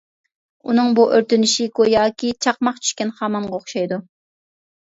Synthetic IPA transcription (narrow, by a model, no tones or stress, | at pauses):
unɨŋbuʔøɾt̪ynɪʃikojɑːkʲit͡ʃʰɑχmɑqt͡ʃʰy̥ʃkʲɛnχɑmɑɴʁɑoχʃɑjd̪u